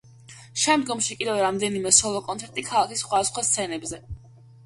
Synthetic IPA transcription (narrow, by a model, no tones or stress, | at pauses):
ʃɛmd̪ɡɔmʃikʼid̪ɛvɾamd̪ɛnimɛsɔlˠɔkʼɔnt̪sʰɛɾt̪ʼikʰalˠakʰisχwad̪asχwast̪sʰɛnɛbzɛ